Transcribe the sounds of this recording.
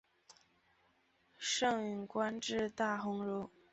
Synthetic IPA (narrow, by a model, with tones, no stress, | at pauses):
ʂɤ˥˧ŋy˨˩nkwa˥nʈ͡ʂɻ̩˥˧t̪a˥˩xʊ˥ŋɻu˥˩